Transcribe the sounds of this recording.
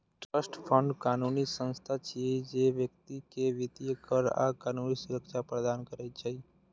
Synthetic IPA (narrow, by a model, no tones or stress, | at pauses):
ʈɾəsʈpʰə̃ɳɖkaːnunisə̃nst̪ʰat͡ʃʰied͡ʒeʋjək̚t̪ikeʋit̪ijəkəɾa̰kaːnunisʊɾəkʃapɾəd̪ankəɾɛt͡ʃʰɛi